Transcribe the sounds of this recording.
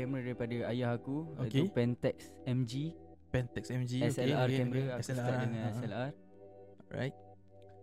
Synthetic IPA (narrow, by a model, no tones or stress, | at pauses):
kɛmɾadaɾipadəajahakuok̪upɛ̃nt̪ɛk̚sɛ̃md͡ʒi | pɛnt̪ɛksɛmd͡ʒiɛsɛaɾkkɛməɾaak̪adəŋãnɛsɛlar | ɹa̰jt̚